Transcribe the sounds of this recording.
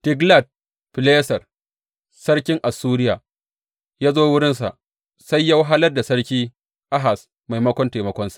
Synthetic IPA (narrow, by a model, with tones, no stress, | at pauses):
tɪ˦ɡla˦˨d̚ | pɪ˨leː˦sɐ˨r | sɐ˦ɽkʲɪ˦ŋʔa˨suː˦ɾɪ˦jaː˨ | jaː˦zoː˦wʊ˦ɽɪ˦nsa̰˨ʔ | sa˦jːa˦wɦa˦lɐ˦rda˨sɐ˦ɽkʲiː˦ | ʔa˦ɦa˨s | ma˨jmɐ˦kʷɔ˦nteː˨mɐ˦kʷɔ˦nsḁ˨